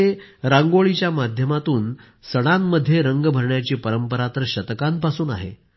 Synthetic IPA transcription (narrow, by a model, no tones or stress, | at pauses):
eɾãŋɡoɭit͡ɕjamad̪ʱjəmat̪uːn | səɽ̃amːəd̪ʱːjeɾəŋɡbʱəɾɳjat͡ɕiːpəɾəmpəɾat̪əɾəɕət̪kampasuːna̰ɦḛ